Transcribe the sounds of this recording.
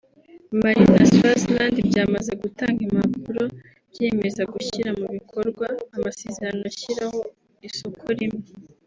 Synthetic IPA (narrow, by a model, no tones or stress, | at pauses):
maɾina̰saslandibjaːmaze̞ɡutaːŋɡimapuɾo̞ | bje̞mezaɡuçiɾamuβikʰo̞ɾɡwaːmase̞ːzeɾanoaçiɾaho̞ | isokʰoɾime